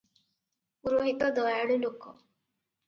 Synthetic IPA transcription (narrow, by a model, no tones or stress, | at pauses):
uɾoɦit̪ɔd̪ɔjaɽulokɔ̰